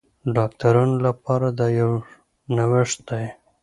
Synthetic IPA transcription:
ɖɑk̚t̪aɾunolapɑɾad̪ɑjaw | nawɪʂt̪̚d̪aj

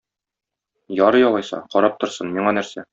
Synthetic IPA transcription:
jɒɾɤjɒlˠɑjsɑ̰qɒɾɑp̚t̪ŏɾsɤnmiɴɑnæɾsæ

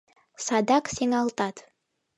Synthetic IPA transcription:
sɑd̪ɑqsiŋɑlˠt̪ɑt̪

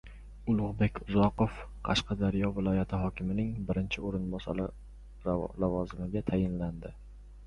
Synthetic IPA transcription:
ʊlˠʊʁbe̞kʲʰʊzɒqof | qʰɑ̰ʃqɑd̪aɾijɒvɪlˠɒjat̪ʰɪɦɒkʲʰɪmɪnɪŋbɪɾɪnt͡ʃʰɪoɾɪnbɒsa̰ɾɪ | lavɒzɪmɪɡʲat̪ʰajɪnland̪ɪ

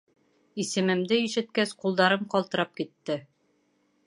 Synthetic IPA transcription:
isɘ̆mɘ̆md̪ɘiʃɘ̆t̪kæsqulˠd̪ɑɾɤmqɒlˠt̪ɤ̆ɾɑp̚kit̪ːɘ

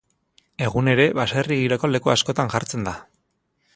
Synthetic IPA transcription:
e̞ɣune̞ɾe̞βaseriɣiɾoko̞le̞kuasko̞t̪aŋʝaɾt͡se̞nd̪a

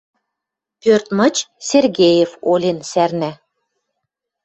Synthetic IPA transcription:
pørt̪mɤ̆t͡ɕserɣejefolʲensærnæ

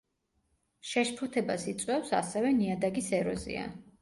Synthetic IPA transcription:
ʃɛʃpʰɔt̪ʰɛbasit̪sʼwɛfsa̰sɛvɛniad̪aɡisɛɾɔ̰zḭa̰

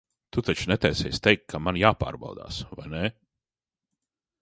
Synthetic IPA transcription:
t̪ut̪at͡ʃunɛt̪ɛjsɛ̰jst̪ɛjkkːamanjaːpa̰ːɾba̰wd̪a̰ːsva̰jnɛ

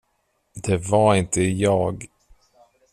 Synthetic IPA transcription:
d̪ɛvaɾɪnt̪əjɑːɡ

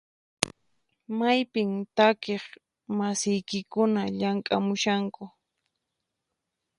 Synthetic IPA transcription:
majpɪmt̪akeχ | masɪjkɪkʊnaʎaŋkʼamʊʃaŋkʊ

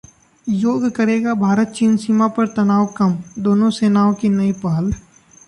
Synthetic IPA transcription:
joːɡkɐɾeːɡabʱaːɾət̪̚t͡ʃiːnsiːmapɐɾt̪ɐnaːʋkɐmd̪oːnõseːnaːõkinɐipaːl

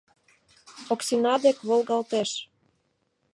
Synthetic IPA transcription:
oksinɑd̪ekβolɣɑlt̪eʃ

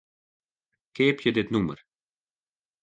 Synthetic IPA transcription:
kɛːpcəd̪ɛt̪numə̰ɾ

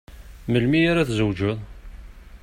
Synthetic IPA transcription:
məlmiaɾaθzəwd͡ʒʊðˤ

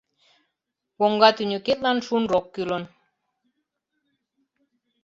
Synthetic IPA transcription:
woŋɡɑt̪ynʲøket̪̚lɑnʃunrokːylə̆n

